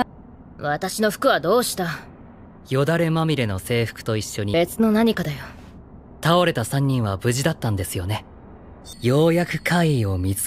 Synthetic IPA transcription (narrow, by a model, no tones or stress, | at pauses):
βat̪aɕino̞ɸɯ̟̥kɯ̟βad̪o̞ːɕi̥t̪a | jo̞d̪aɾe̞mamʲiɾe̞no̞se̞ːɸɯ̥kɯ̥t̪o̞iɕːo̞ɲ̟ie̞t͡sɨno̞naɲ̟ikad̪ajo | t̪ao̞ɾe̞t̪asãɲ̟ːĩɰ̃βabɯ̟ʑid̪at̪ːãnd̪e̞sɨjo̞ne̞ | jo̞ːjakɯ̟̥kʰaio̞mʲi